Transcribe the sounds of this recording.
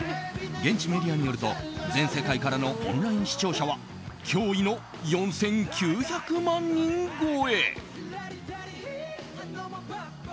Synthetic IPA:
ɡẽ̞ɲ̟t͡ɕime̞dʲiaɲ̟ijo̞ɾɯ̟t̪o̞̰d͡zẽ̞ɰ̃se̞kaikaɾano̞ʔõ̰nɾaĩɲ̃ɕi̥t͡ɕo̞ːɕaβ̞a | kʲʰo̞ːino̞ | jõ̞ɰ̃sẽ̞ŋkʲʰɨːçakɯ̟mãɲɲĩŋɡoːe

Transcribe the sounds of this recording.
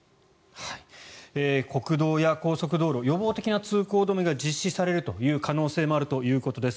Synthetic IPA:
haieːko̞kɯ̟d̪o̞ːjako̞ːso̞k̬ɯ̟d̪o̞ːɾo̞jo̞bo̞ːt̪e̞kʲinat͡sɨːko̞ːd̪o̞mʲiɡad͡ʑiɕːisaɾe̞ɾɯ̟t̪o̞jɯ̟ːkano̞ːse̞ːmo̞aɾɯ̟t̪o̞jɯ̟ːko̞t̪o̞d̪e̞sɨ̥

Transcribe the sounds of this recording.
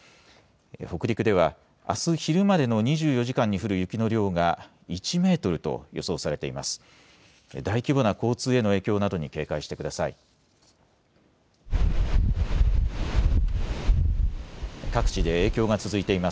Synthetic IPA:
ho̞kɯ̟ɾʲikɯ̟d̪e̞β̞a | a̰sɨçiɾɯ̟mad̪e̞no̞ɲ̟iʑɨːjo̞ʑikãɲ̟ːiɸɯ̟ɾɯ̟jɯ̟kʲino̞ɾʲo̞ːɡa | it͡ɕime̞ːt̪o̞ɾɯ̟t̪o̞̰jo̞so̞ːsaɾe̞t̪e̞imasɨ̥ | d̪aikʲibo̞nako̞ːt͡sɨːe̞no̞e̞ːkʲo̞ːnad̪o̞ɲ̟ike̞ːkaiɕi̥t̪e̞kɯd̪asaḭ | kakɯ̟̥t͡ɕid̪e̞eːkʲo̞ːɡat͡sɨzɨit̪e̞ima

